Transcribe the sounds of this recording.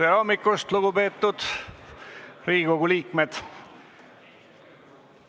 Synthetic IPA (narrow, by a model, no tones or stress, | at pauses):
eɾomːikːˑust̪luɡupe̞ːt̪ːud̪̥ | riːɡko̞ɡ̥uliːkmed̪̥